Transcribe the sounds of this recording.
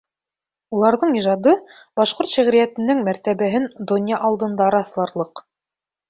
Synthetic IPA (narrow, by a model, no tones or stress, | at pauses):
ulˠɑɾðɤɴiʒɑd̪ɤ | bɑʃqoɾt̪ʃæʁɾijæt̪ɘ̆nːɘŋmæɾt̪æβæɦɘnd̪onʲjɑʔɑlˠd̪ɤ̆nd̪ɑɾɑθlˠɑɾlˠɤq